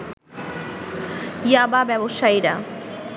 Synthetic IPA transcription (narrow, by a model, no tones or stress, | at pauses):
jababɛboʃaiɾa